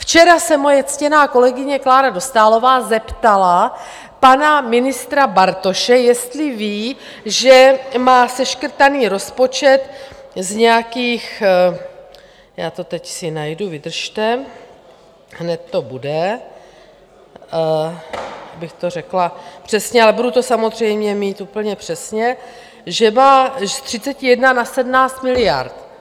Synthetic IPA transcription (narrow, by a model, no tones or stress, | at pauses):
ft͡ʃɛɾasɛmo̞jɛt͡scɛnaːko̞lɛɡɪɲɛklaːɾado̞st̪aːlo̞vaːzɛpt̪ala | panamɪnɪst̪ɾabaɾt̪o̞ʃɛjɛst̪lɪviː | ʒɛmaːsɛʃkr̩t̪aniːɾo̞spo̞t͡ʃɛt̪zɲɛjakiːx | jaːt̪o̞t̪ɛcsɪnajduvɪd̪r̩ʃt̪ɛ | ɦnɛt̪ːo̞budɛ | bɪxt̪o̞rɛklapr̝̥ɛsɲɛalɛbudut̪o̞samo̞zr̝ɛjmɲɛmiːt̪uːpl̩ɲɛpr̝̥ɛsɲɛ | ʒɛmaːst̪r̝̥ɪt͡sɛcɪjɛdnanasɛdmnaːt͡st̪mɪlɪja̰ɾt̪